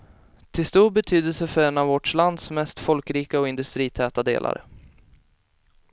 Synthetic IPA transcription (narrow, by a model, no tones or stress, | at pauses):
t̪ʰɪlst̪uːɾbɛt̪ʰyːd̪əlsəfœɾɛnavvɔʈʂland̪smɛst̪fɔlkɾiːkaɔɪnd̪ɵst̪ɾiːt̪ʰɛːt̪ad̪ḛːlʔa̰ɾ